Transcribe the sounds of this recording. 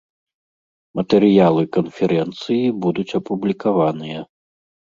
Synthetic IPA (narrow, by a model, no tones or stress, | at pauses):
mɐt̪ɛɾɨjalˠɨkɐnfʲɛɾʔɛnt̪sɨjibud̪ut͡sʲɐpublʲikavanɨjɐ